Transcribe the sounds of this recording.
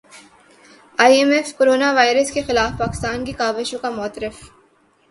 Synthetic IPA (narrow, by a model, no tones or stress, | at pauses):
aːjemefkoɾoːnaʋaːjɾəskexɪlaːfpaːkɪ̥st̪aːnkikaːʋeʃõkamɔːt̪ɾɪf